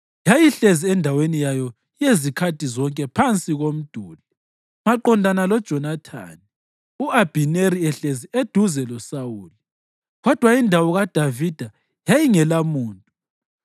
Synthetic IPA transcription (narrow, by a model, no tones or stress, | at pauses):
jajiɬeziɛndʱawenijajɔ | jezikʰatʰʼizɔŋkʼɛpʰant͡sʼiɣom̩d̥ʱuːlɛ | maǃɔndʱanalɔd̥ʒ̥ʱɔnatʰa̰ːni | uab̥ʱineɾiɛɬezied̥ʱuzɛlɔsawuːli | ɣɔd̥ʱwaindʱawɔɣad̥ʱavid̥ʱa | jajiŋɛlamuːntʼu